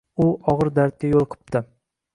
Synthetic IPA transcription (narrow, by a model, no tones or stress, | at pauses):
ʊɒʁɨɾd̪aɾt̪̚kʲajolˠqʰɨ̥p̚t̪ɪ